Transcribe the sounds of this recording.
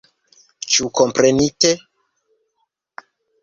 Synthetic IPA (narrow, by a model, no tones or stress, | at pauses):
t͡ʃukompɾenite